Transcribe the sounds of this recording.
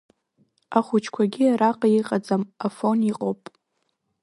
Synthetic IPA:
aχʷʊt͡ʃʰkʷʰaɡʲiaɾaqʼajiqʼad͡zamafo̞niqʼowpʼ

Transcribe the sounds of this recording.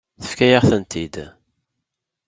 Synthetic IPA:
θə̥fkæjaʁθənt̪ʰid̪

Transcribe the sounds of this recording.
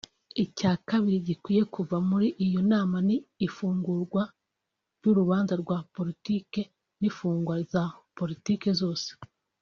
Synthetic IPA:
icaːkaβiɾiɟikwiːje̞kuvamuɾiʔijo̞naːmaniːfuːŋɡuɾɡwa | ɾjuɾuβaːnzaɾɡwaːpo̞ɾitiːke̞ | nifuːŋɡwazapo̞ɾitiːke̞zo̞ːse̥

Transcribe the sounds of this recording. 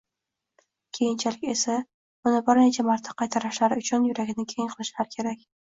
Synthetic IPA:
kʲʰe̞jɪnt͡ʃʰalɪkʲe̞sa | ʊnɪbɪɾne̞t͡ʃʰamaɾt̪ʰaqʰɑjt̪ʰaɾaʃlaɾɪʊt͡ʃʰʊnjʊɾaɡʲɪnɪkʲʰejɪŋqʰɨlˠɪʃlaɾɪkʲʰe̞ɾakʲ

